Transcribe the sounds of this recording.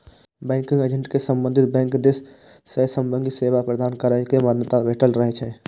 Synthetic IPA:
bɛ̃ːŋkɪ̃ŋɡed͡ʒə̃ɳʈkesə̃mbə̃nd̪ʱɪt̪̚bɛ̃ːŋkd̪essesə̃mbə̃nd̪iseːʋapɾəd̪aːnkəɾəkemənjət̪abeːʈəlɾəɦet͡ʃʰɛ̃ː

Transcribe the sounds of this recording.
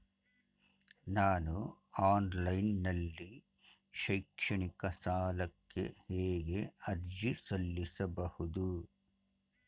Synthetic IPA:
naːnu | aːnlɐjnːɐlːi | ʃɐjkʂɐɳikɐsaːlɐkːe̞̰heːɡe̞ɐɾd͡ʒisɐlːisɐbɐhud̪u

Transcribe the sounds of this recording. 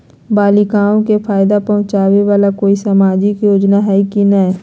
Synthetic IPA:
baːlɪkaːõkepʰaːjɪd̪apɐɦʊ̃t͡ʃaːweʋaːlakoːisamaːd͡ʒɪkjoːd͡ʒnaɦɛkinə

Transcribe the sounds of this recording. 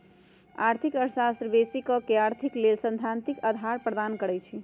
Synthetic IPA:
aɾt̪ʰikəɾsast̪ɾəbesikɔkeaɾt̪ʰiklelsə̃nd̪ʱant̪ikəd̪ʱaɾpɾəd̪ankəɾɛt͡ʃʰi

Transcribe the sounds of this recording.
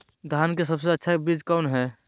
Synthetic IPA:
d̪ʱaːnkesəbseɐtːʃʰabiːd͡ʒkɔːnɦɛː

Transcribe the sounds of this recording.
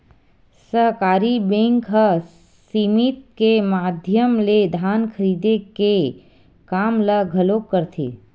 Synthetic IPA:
səɦkaːɾibẽŋkɦə | siːmit̪̚kemaːd̪ʱjəmled̪ʱaːnkʰəɾiːd̪eke | kaːmləɡʱəloːk̚kːəɾt̪ʰḛː

